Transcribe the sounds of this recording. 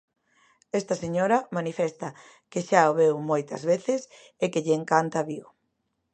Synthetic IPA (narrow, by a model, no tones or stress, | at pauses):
ɛst̪ɐseɲoɾɐmanifɛst̪ɐ | keʃaoβewmojt̪ɐ̰zβeθɪs | ekeʎːŋkant̪aβio